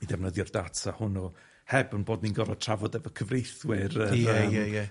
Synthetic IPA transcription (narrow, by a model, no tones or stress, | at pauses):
midɛvnəðjɔrdatʰahʊnɔ | hɛbənboːdninɡɔɾɔtʰr̥avɔdɛvəkʰəvrejθwɪrəɛjɛjɛ